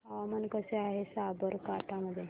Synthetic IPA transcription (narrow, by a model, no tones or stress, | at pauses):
amɐnkəseaɦesaːbəɾkaʈaməd̪e